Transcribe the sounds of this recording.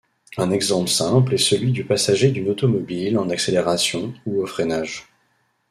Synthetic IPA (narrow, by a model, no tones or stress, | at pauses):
ɛ̃nɛɡzɑ̃plsɛ̃plɛsəlɥid̪ypasaʒed̪ynot̪ɔmɔbilɑ̃nakseleʁasjɔ̃uofχɛnaʒ